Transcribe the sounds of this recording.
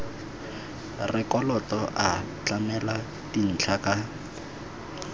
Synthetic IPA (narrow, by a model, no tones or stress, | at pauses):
rɪkɔlɔtɔʔa | t͡ɬamɛla | tin̩t͡ɬʰaka